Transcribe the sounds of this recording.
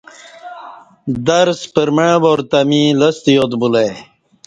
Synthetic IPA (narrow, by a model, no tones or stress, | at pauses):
d̪ɐɾspəɾməɻboɾt̪amiləst̪ijot̪bule